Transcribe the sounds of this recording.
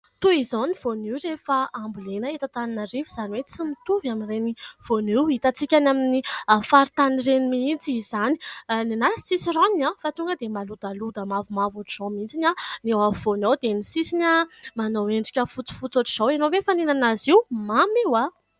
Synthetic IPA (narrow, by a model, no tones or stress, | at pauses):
t̪uizoniv̥oniwrefaambulenəet̪at̪aninarivuzaniwet͡simit̪uvaminreniv̥oniwit̪at͡sikʲanaminiafaɾit̪anirenimint͡sizani̥ninasi̥t͡sisironiɲafat̪uŋɡəd̪emalud̪alud̪əmavumavuʈ͡ʂiz̥owmint͡sinʲanewavonowd̪enisisinʲamanoweɳɖ͡ʐi̥kʲəfut͡si̥fut͡soʈ͡ʂiz̥owenovefanenanaziwmamiwa